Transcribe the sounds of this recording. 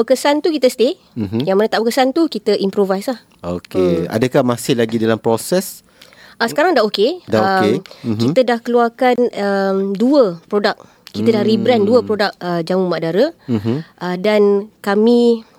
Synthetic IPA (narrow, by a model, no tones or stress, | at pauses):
bəkəsant̪ukit̪əsət̪e | jaŋmənət̪aʔbəkəsant̪ukit̪əʔimpɾovajslah | okea̰dəkahmasɪhlaɡidalampɾosɛs | ʔəsə̥kaɾaŋdaokedaəekit̪ədahkəluarkanəmduəpɾodak̚ | kit̪ədahɾibɾɛnduəpɾodak̚əd͡ʒamumadaɾə | ʔədankamĩ